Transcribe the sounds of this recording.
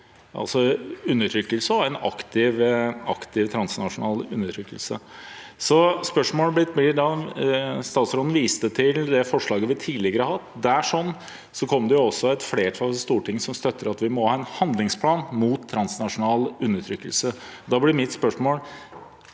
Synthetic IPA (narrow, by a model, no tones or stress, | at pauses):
ʔɑ̰lsɔʉnːəʈʰɾʏkːəlsəɔæɪnɑ̰kt̪ʰɪʋɑ̰kt̪ɪʋt̪ʰɾɑnsnɑʂʊnɑ̰ːlʉ̰nːəʈʰɾʏkːə̰lsə̰sɔspœʂmoːləblɪt̪̚ːblɪɖɑ | st̪ɑːt̪sɾɔd̪n̩ʋiːst̪ət̪ʰɪld̪ɛfɔʂɭɑːɡəʋɪt̪ʰiːlɪɡəɾəhɑt̪ːd̪æʂɔnː | sɔkʰɔmːd̪ɛjʊɔsːɔɛt̪fleːʈʰɾɑʋst̪uːʈʰɪŋːəsɔmst̪œt̪ːəɾɑt̪ʋɪmɔhɑːɛnhɑnd̪lɪŋspʰlɑːnmuːt̪ʰːɾɑnsnɑʂʊnɑːlʉnːəʈʰɾʏkːəlsəɔd̪ɑːblɪɾmɪt̪spœʂmoːl